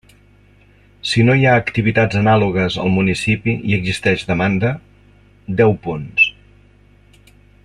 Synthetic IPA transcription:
sinojaəkt̪iβit̪ad͡zənaluɣəzə̰lˠmunisipiiəɡzist̪ɛʒd̪əmand̪ə | d̪ɛwpuns

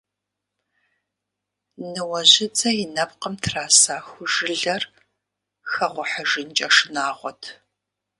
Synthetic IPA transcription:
nɨwɐʑɪt͡sʼɐjɪnɐpqəmtʰraːsaːxʷʊʒɨɮɐr | xɐʁʷʊħəʒɨnt͡ʃʼɐʂɨnaːʁʷɔtʰ

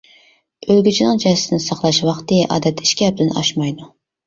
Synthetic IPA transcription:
ølɡʲyt͡ʃʰinɨŋd͡ʒɛsɪ̥sɪnɪsɑχlˠɑʃwɑχt̪ɨʔɑ̰ːd̪ɛt̪ʰːiʃkʲɛp̚d̪ɪnɑ̰ʃmɑjd̪u

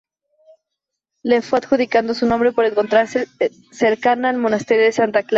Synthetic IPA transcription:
lefweaðxuðikand̪osunõ̞mbɾe̞po̞ɾe̞ŋko̞nt̪ɾaɾse | seɾkanaːlmo̞nast̪eɾjoðe̞sant̪akla

